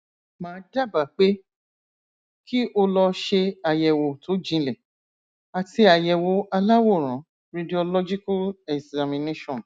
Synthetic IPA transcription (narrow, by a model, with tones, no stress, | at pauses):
mãː˨˦da˦˨ba˨k͡pe˦ | ki˦ʔo˧lɔ˧ʃe˧a˨jɛ˨wo˨tʰo˨˦d͡ʒĩ˧˦lɛ˨ | a˧ti˧a˨jɛ˨wo˨˦a˧la˦wo˦˨ɾ̃ã˨˦ | ɾi˧di˨o˧lɔ˦d͡ʒi˦ka˦lɛ˨za˨mĩ˨ne˦ʃɔ̃˨n